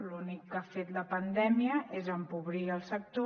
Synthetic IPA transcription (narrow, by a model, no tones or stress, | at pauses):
lunikːafet̪ləpənd̪ɛmiəʔezəmpuβɾiəlˠsək̚t̪o